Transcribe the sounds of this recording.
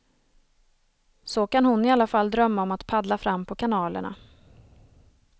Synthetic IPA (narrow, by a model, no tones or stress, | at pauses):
sɔkanhʊnɪalːafalːd̪ɾœmːaɔmat̪pʰad̪lafɾamːpʰɔkʰanɑːlə̰ɳa̰